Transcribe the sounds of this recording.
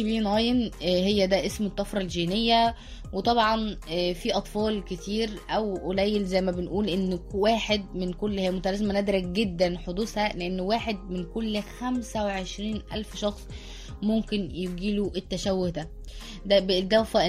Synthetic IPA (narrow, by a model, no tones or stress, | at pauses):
biːnɑjenɦejːæd̪æʔesmet̪ˤːɑfɾˤɑlʒiːnejːæ | wet̪ˤɑbʕɑnfiʔɑt̪ˤfɑːlket̪iːɾʔæwʔolæjːelzæjmæbenʔuːlʔenːwæːħed̪̚menkolːhæːæmot̪ælæzmænæd̪ɾæk̚ɡed̪ːænħod̪uːshæleʔenːwæːħed̪̚menkolːxæmsæweʕeʃɾiːnʔæ̰lfʃɑxsˤ | momkenjeɡiːluʔet̪ːæʃæwːohd̪æ | d̪æbeʔd̪æwfæʔ